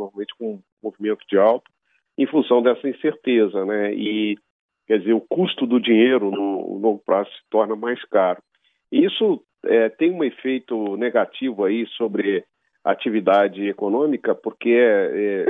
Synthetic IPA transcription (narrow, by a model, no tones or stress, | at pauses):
noɾmawmẽnt͡ʃɪ̥kõũ | movimẽnt̪ʊd͡ʒɪawt̪ɐ̥ | ḛ̃j̃fũsɐ̃w̃d̪ɛsɐĩseɾt̪ezɐnɛɪ | kɛd͡ʒɪzeɾʊkust̪ʊd̪ʊd͡ʒĩɲejɾʊnʊ̰nowɡʊpɾazʊsɪ̥t̪ɔɾnɐmajskaɾʊ | ɪisʊ | ɛt̪ẽj̃ũefejt̪ʊneɡat͡ʃivʊaisobɾɪ | a̰t͡ʃivid̪ad͡ʒɪekonõmikɐpoɾkeɛɛ